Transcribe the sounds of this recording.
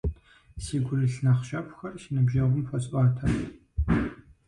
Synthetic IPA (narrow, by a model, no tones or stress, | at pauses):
siːɡʷʊrɨɬnaχʃɐpʷʼxɐrʃinɨbʒɐʁʷʊmfɐt͡sʼʔaːtʰa